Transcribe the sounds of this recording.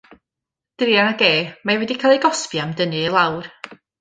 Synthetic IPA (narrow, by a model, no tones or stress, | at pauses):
d̥ɪɾjanaɡeːmajwɛdikʰaːlˠijɡɔspjamdənɨelˠawr